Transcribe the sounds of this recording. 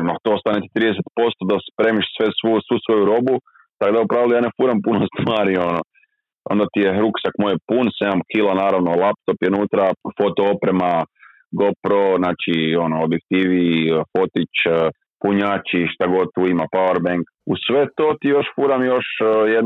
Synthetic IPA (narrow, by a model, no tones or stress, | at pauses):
not̪oost̪anet̪i̥t̪ɾiːd̪eset̪̚po̞st̪od̪aspɾemiʃsʋesʋusʋusʋo̞juɾo̞bu | t̪akod̪aupɾaːʋilijaːnefuːɾampunost̪ʋaːɾio̞no | o̰nd̪at̪ijeɦɾuksakmojepunseɲamkilanaːɾaʋnolˠap̚t̪o̞pjenuːt̪ɾafo̞t̪oopɾema | ɡopɾoznaːt͡ʃio̞noobjek̚t̪iːʋifo̞t̪it͡ʃ | puɲat͡ʃiʃt̪aɡo̞tt̪uimapaweɾbeŋk | usʋe̞t̪o̞t̪ijo̞ʃfuɾamjo̞ʃjed̪